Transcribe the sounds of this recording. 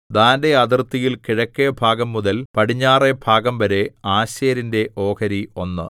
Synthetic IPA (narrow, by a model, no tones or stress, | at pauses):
d̪aːnde̞ɐd̪irt̪ːijilkiɻɐkːebʱaːɡɐmːuðɐlpɐɽiɲːaːre̞bʱaːɡɐmʋɐɾe̞aːɕɐːɾinde̞ʔo̞ːkɐɾio̞nːɨ̰